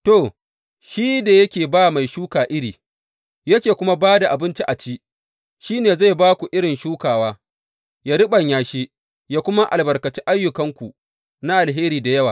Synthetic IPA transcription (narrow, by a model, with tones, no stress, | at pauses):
to˨ | ʃiː˦da˨jɐ˦kʲeː˨baː˦ma˨jʃuː˦kaː˨ʔɪ˦ɾiː˨ | jɐ˦kʲeː˨kʷʊ˦ma˦baː˦da˨ʔa˨bɪ˦nt͡ʃi˦ʔa˨t͡ʃiː˦ | ʃiː˦neː˨za˦˨jbaː˦kʷu˨ʔɪ˦ɽɪ˨nʃuː˦kaː˨waː˦ | jaː˦ɾɪ˦ɓɐ˨ɲjaː˨ʃi˦ | jaː˦kʷʊ˦ma˦ʔa̰˨lbɐ˨rkɐ˨t͡ʃi˦ʔa˦jːʊ˨kɐ˦ŋkʷu˨ | na˦ʔa˨lɦeː˦ɾiː˨da˨jɐ˦waː˨